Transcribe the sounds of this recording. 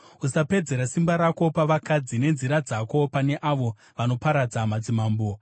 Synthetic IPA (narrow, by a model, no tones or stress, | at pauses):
usape̞d͡ze̞ɾasimbaɾako̞paʋakad͡zine̞nziɾad͡zako̞pane̞ʔaʋo̞ | ʋano̞paɾad͡zamad͡zimaːmbo